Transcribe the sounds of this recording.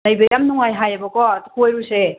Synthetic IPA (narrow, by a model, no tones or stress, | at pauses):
lajbɐjamnuŋajɦajɐbɐkɔtukʰojɾuse